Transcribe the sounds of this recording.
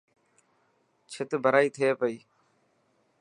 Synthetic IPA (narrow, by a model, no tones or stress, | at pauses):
t͡ʃʰɪt̪bʱəɾaːiːt̪ʰeːpəiː